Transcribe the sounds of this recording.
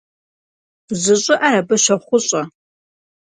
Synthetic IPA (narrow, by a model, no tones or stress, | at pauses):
zɨɕʼɪʔaɾɐbɐʃɐχʷʊɕʼɐ